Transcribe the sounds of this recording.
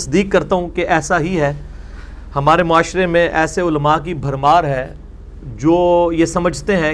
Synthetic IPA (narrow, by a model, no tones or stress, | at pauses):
sd̪iːkːɐɾt̪aɦũkeʔɛːsaɦiɦɛː | hɐmaːɾemʊaːʃɾemẽʔɛːseʊlmak̬ibʱɐɾmaːɾɦɛː | d͡ʒoːjesɐməd͡ʒʱt̪eɦɛ̃